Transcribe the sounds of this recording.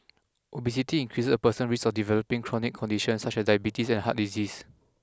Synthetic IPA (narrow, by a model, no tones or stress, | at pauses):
ʔobis̬itiĩŋkʰɹisəpəsə̃nɹisɔfdivɛlopĩŋkʰɹɔnikʰːɔ̃ndiʃə̃nsat͡ʃɛsdajbitisɛ̃nhat̚dizis